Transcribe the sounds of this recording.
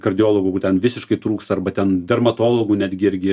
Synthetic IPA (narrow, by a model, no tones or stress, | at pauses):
kɐɾʲdʲɪoːlˠoɡukut̪ʲɛnʋʲɪsʲɪʃkɐɪt̪ɾuːkst̪ɐɾbɐt̪ʲɛnd̪ʲɛrmɐt̪oːlˠoɡuːnʲæːd̪ʲɡʲɪɪɾʲɡʲɪ